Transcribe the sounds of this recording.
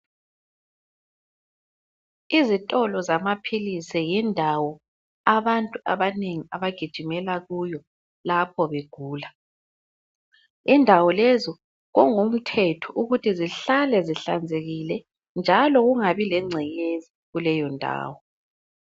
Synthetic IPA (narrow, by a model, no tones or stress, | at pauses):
izitʼɔlɔzamapʰilisɛjɛndʱawɔ | aβantʼuaβaneŋiaβaɡ̥ʱid̥ʒ̥ʱimɛlaɣujɔ | lapʰɔβeɡ̥ʱuːla | indʱawɔlɛzɔ | ɣɔŋum̩tʰɛtʰɔʔuɣutʰiziɬalɛziɬand͡zʱeɣilɛ | nd͡ʒʱalɔɣuŋaβilɛŋ͡ǀʱɛɣezi | ɣulɛjɔndʱa̰ːwɔ